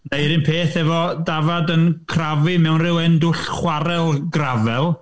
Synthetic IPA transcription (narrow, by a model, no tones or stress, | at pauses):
nejɾɪnpʰeːθɛvɔdavadənkʰravɨmɛwnrɪwɛndʊɬχwaɾɛlˠɡravɛlˠ